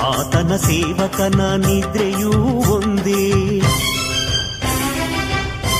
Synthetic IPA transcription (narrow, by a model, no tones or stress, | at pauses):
aːt̪ɐnɐseːʋɐt̪ɐnɐnid̪ɾejuond̪e